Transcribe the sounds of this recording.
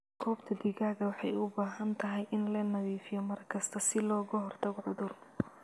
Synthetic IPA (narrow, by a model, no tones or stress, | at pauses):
kʰɔːbt̪ʰɐd̪ɪɣaːɣɐwɑħɑjʊbaːɦɐnt̪ʰɐɦɛjʔɪnlɐnɐβiːfɪjɔmɐrkʰɐst̪ʰɐsɪlɔːɣɐɦɔrt̪ʰɐɣɔʕʊðʊr